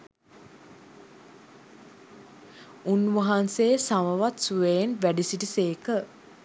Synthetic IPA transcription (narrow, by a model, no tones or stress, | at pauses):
unʋaɦanseːsaʋəʋat̪suʋeenʋæɖisiʈiseːkə